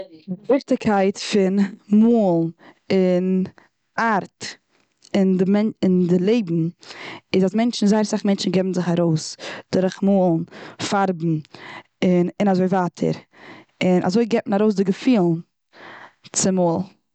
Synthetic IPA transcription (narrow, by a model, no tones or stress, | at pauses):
vɪχtɪkʰaɪtfɪnmoːlˠ | ɪn | aɾt | ɪndɪmɛnɪndɪlˠeɪbm̩ɪzasmɛnt͡ʃn̩zaɪɾsaχmɛnt͡ʃn̩ɡɛbn̩zɪχaɾoʊsd̥ʊɾəχmoːlˠn̩faɾbm̩ | ɪnɪnazoɪvaːtʰə̰ɾɪnʔa̰zoɪɡɛpmnaɾoʊsdɪɡəfiːlˠn | t͡sɪmoːlˠ